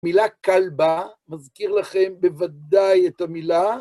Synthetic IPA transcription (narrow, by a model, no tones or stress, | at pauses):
milakalbamazkiʁlaχe̞mbevad̪ajet̪amila